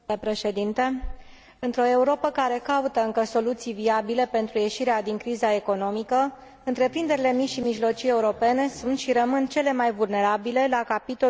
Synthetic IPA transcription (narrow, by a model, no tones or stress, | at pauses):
epɾe̞ʃe̞d̪int̪e̞ | ɨnt̪ɾo̞e̞uɾo̞pəkaɾe̞kaut̪əɨŋkəso̞lut̪sijviabile̞pe̞nt̪ɾuje̞ʃiɾead̪iŋkɾizae̞ko̞no̞mikə | ɨnt̪ɾe̞pɾind̪e̞ɾile̞miʃimiʒlo̞t͡ʃije̞uɾo̞pe̞ne̞sunt̪ʃiɾəmɨnt͡ʃe̞le̞majvulne̞ɾabile̞lakapit̪o̞